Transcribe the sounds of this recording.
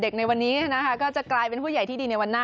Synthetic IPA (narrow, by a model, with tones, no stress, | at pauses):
de˨˩k̚na˧jwa˧nːiː˦˥˩na˦˥kʰa˦˥˩kɔː˥˩t͡ɕa˨˩klaː˧jpe˧npʰuː˥˩ja˨˩jt̪ʰiː˥˩diː˧na˧jwa˧nːaː˥˩